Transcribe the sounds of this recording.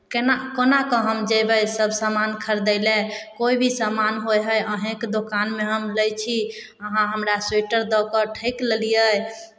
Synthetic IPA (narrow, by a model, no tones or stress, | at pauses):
kenakənakɔ̃ɦəmd͡ʒəbəjsəbʱsamankʰəɾd̪əɪlɛkoibʱisamanɦojɦəjəɦẽkd̪okanmeɦəmləjt͡ʃʰi | əɦãɦəmɾaseʈəɾd̪ɔkəʈʰəjkləlijəj